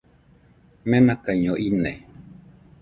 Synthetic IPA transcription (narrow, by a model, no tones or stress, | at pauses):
menakaɲoʔine